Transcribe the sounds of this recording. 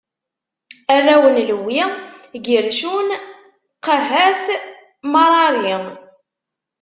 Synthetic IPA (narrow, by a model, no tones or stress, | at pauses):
ærːæwənləwːiɡəɾʃun | qəɦæθ | mɑɾˤɑɾi